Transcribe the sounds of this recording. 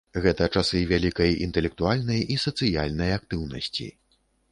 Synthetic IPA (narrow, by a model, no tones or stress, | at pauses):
ɣɛt̪ɐt͡ʂasɨvʲalʲikɐjḭnt̪ɛlʲɛk̚t̪ualʲnɐjʔisɐt̪sɨja̰lʲnɐjak̚t̪ɨwnɐsʲt͡sʲḭ